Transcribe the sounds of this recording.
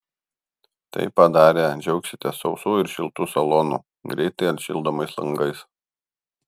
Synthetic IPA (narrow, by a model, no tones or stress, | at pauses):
t̪ɐ̰ɪpːɐd̪ɑːɾʲeːd͡ʒʲɛʊksʲɪt̪ʲɛsɒʊsuːɪɾʃʲɪlˠt̪uːsɐlˠonṵː | ɡɾʲɛɪt̪ɐɪɐnʃʲɪ̰lˠd̪oːmɐɪslˠɐŋɡɐɪs